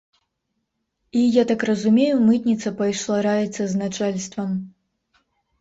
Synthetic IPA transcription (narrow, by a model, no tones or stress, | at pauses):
ijat̪akrɐzumʲejumɨt̪ʲnʲit̪sɐpɐjʂlˠaɾajɛt̪sːɐznat͡ʂalʲst̪vɐm